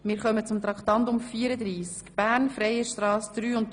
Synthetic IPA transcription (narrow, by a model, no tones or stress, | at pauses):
mɪːɾχœmət͡sʊmt̪ɾɑkt̪ɑnt̪ʊmfiːəɾəd̪ɾiːskb̥æːɾnfɾɛjəʃtɾɑːsd̪̥ɾyːʊnt